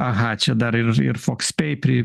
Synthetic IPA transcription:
ɐɦɐt͡ʃʲɛd̪ɐɾɪrɪ̰ɾfokspʲɛɪpʲɾʲɪ

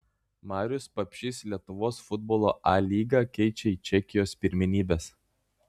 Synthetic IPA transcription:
mɑːɾʲʊspɐpʲʃʲiːslʲiɛt̪ʊʋoːsfʊd̪̚boːlˠoːʔɑːlʲiːɡɑːkʲɛɪt͡ʃʲɛiːt͡ʃʲɛkʲɪjoːspʲɪɾʲmʲɪnʲiːbʲeːs

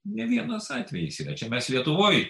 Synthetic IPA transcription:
nʲɛʋʲiɛnoːsɑːt̪ʲʋʲɛjɛsʲiːrɐt͡ʃʲɛmʲɛslʲiɛt̪ʊʋoːj

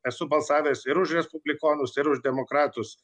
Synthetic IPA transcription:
ɛsʊbɐlˠsɑːʋʲeːsɪɾʊʃɾʲɛspʊbʲlʲɪkoːnʊsɪɾʊʒd̪ʲɛmoːkɾɑːt̪ʊs

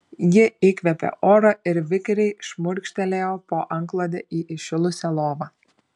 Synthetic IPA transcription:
jɪikʲʋʲɛpʲɛ̰ʔoːɾɐɪɾʋʲɪkʲɾʲɛɪʃmʊɾʲkʃʲt̪ʲɛlʲeːjoːpoːʔɐŋklˠoːd̪ʲɛʔiːʔɪʃʲɪlˠʊsʲɛlˠoːʋɐ

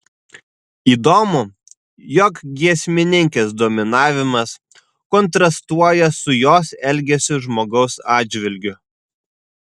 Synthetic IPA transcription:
iːd̪oːmʊ | jɔkɡʲiɛsʲmʲɪnʲɪŋʲkʲesd̪oːmʲɪnɑːʋʲɪmɐs | kɔnt̪ɾɐst̪uɔjɛsʊjoːsɛlʲˑɡʲɛsʲʊʒmoːɡɒʊsɑːd͡ʒʲʋʲɪlʲɡʲʊ

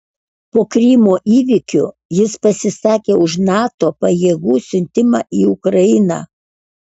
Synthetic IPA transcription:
poːkɾʲimoːʔiːʋʲikʲʊ | jɪspɐsʲɪsɑːkʲeːʊʃnɑːt̪oːpɐjeːɡuːsʲʊnʲt̪ʲɪmɑːʔiːʊkɾɐjɪnɑ̰ː

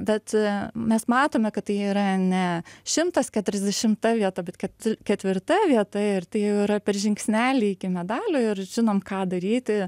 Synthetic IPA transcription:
bʲɛt̪mʲɛsmɑːt̪oːmʲɛkɐtt̪ɐɪiːɾɐnʲɛʃʲɪmt̪ɐskʲɛt̪ʲʊɾʲɛzd̪ʲɛʃʲɪmt̪ɐʋʲiɛt̪ɐbʲɛt̪kʲɛkʲɛt̪ʲʋʲɪrt̪ɐʋʲiɛt̪ɐɪrt̪ɐɪjɛʊiɾɐpʲɛrʒʲɪŋksʲnʲæːlʲiːɪkʲɪmʲɛd̪ɑːlʲʊɪrʒʲɪnoːmkɑːd̪ɐɾʲiːt̪ʲɪ

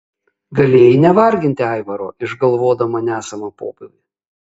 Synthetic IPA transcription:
ɡɐlʲeːjɪnʲɛʋɐɾʲɡʲɪnʲt̪ʲɪɐɪʋɐɾoːʔɪʒɡɐlˠʋoːd̪ɐmɐnʲæːsɐmɐpoːpʲɪʋʲi

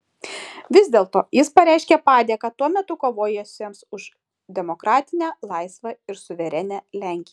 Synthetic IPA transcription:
ʋʲɪzʲd̪ʲeːlˠt̪oːjɪspɐɾʲæɪʃʲkʲɛpɑːd̪ʲiɛkɐt̪uɔmʲɛt̪ʊkoːʋoːjɛsʲemsʊʃ | d̪ʲɛmokɾɑːt̪ʲɪnʲæːlˠɐɪsʋɐɪɾsʊʋʲɛɾʲɛnʲælʲæˑŋʲkʲɪjɛ

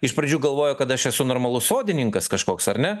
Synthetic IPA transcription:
ɪʃpɾɐd͡ʒʲuːɡɐlˠʋoːjʊkɐt̪ɐʃɛsʊnoːɾmɐlˠʊsoːd̪ʲɪnʲɪŋkɐskɐʃkoːksɐɾnʲɛ

